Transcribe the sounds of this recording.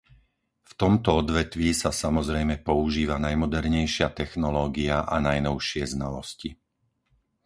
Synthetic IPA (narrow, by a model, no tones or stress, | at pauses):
ft̪ɔmt̪ɔɔd̪ʋɛt̪ʋisasamɔzɾɛjmɛpɔuʒiːʋanajmɔd̪ɛɾɲɛjʃɪat̪ɛxnɔlɔːɡiaʔanajnɔʊʃɪɛznalɔsci